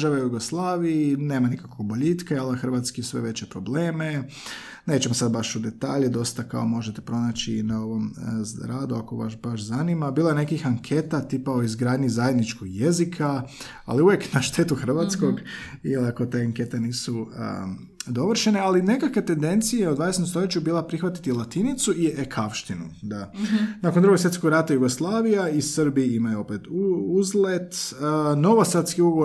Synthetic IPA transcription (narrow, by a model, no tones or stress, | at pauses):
ʒaʋeujuɡoslˠaːʋiineːmanikako̞ɡboʎit̪kaalˠaxr̩ʋat̪skisʋe̞ʋe̞t͡ɕe̞pɾo̞ble̞ːme̞ | neːt͡ɕemosad̪baʃud̪e̞t̪aːʎed̪o̞st̪aka̰o̞mo̞ʒet̪e̥pɾo̞nat͡ɕinaoʋo̞mɾaːd̪uakoʋa̰ʃbaʃzanimabiːlaene̞kixaŋkʰe̞t̪at̪ipaoizɡɾaːd̪ɲizajed̪nit͡ʃkoɡje̞zikʰa | a̰liuʋjeknaʃt̪e̞ːt̪uxr̩ʋat̪sko̞ɡjelakot̪eaŋke̞t̪eniːsuə̰ | d̪o̞ʋr̩ʃene̞aline̞kakʋe̞t̪e̞nd̪e̞nt̪sijeod̪ʋadeset̪st̪o̞ʎet͡ɕubiːlˠapɾixʋat̪i̥t̪ilˠat̪init̪suiekʰafʃt̪inṵd̪anakond̪ɾuɡsjet̪skoɡɾat̪ajuɡoslˠaːʋijaisr̩biimajuo̞pet̪uuzlet̪əno̞ʋosat̪skiuɡo